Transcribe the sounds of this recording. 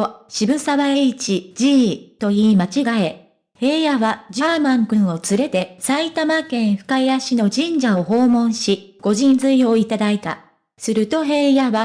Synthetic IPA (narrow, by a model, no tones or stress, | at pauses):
oɕibɯ̟saβaeit͡ɕid͡ʑiːt̪o̞iːmat͡ɕiɡae̞ | he̞ːjaβad͡ʑamãŋkɯ̟̃ɰ̃o̞t͡sɨɾe̞t̪e̞sait̪amakẽ̞ɰ̃ɸɯ̟̥kajaɕino̞d͡ʑĩɲ̟d͡ʑao̞ho̞ːmõ̞ɰ̃ɕiɡ̥o̞ʑĩnd͡zɨijo̞ːit̪ad̪ait̪a̰ | sɨɾɯ̟t̪o̞ɦe̞ːjaβa